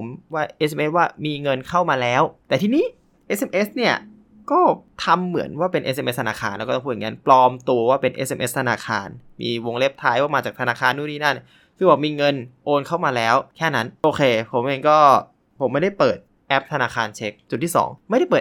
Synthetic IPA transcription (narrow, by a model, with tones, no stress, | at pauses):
o˩˦mwaː˥˩ʔe˦˥s̬mʔe˦˥waː˥˩miː˧ŋɤ˧nkʰa˥˩wmaː˧lɛː˦˥wt̪ɛː˨˩t̪ʰi˧niː˦˥˩ | ʔe˦˥sʔe˧mʔe˦˥sni˥˩ɐ | kɔː˥˩t̪ʰa˧mːɯ˩˦nwaː˥˩pe˧nʔe˦˥s̬ʔe˧mʔe˦˥st̪ʰa˧naː˧xʰaː˧nlɛ˦˥kːɔː˥t̪ːɔ˧p̪ːʰŋa˧˥nplɔː˧mt̪u˧ɐwaː˥˩pe˧nʔḛ˦˥sʔe˧mʔe˦˥st̪ʰa˧naː˧kʰaː˧nmḭː˧wo˧ŋle˦˥˩p̚t̪ʰaː˦˥jkɔː˥˩maː˧t͡ɕaː˨˩k̚t̪ʰa˧naː˧kʰaː˧nːu˥˩niː˥˩na˥˩n | sʰɯ˥˩bɔː˨˩miː˧ŋɤ˧nʔoː˧nkʰa˥˩wmaː˧lɛː˦˥wkʰɛː˥˩na˦˥nʔoː˧kʰeː˧pʰo˩˦mʔeː˧ŋkɔː˥˩ | pʰo˩˦mːa˥˩da˥˩jpɤː˨˩t̪̚ | ʔɛ˦˥p̚t̪ʰa˧naː˧kʰaː˧nt͡ɕʰe˦˥k̚t͡ɕu˨˩t̪̚ːʰiː˥˩sɔ̰ː˩˦ŋma˥˩jɾa˥˩jpɤː˨˩t̪̚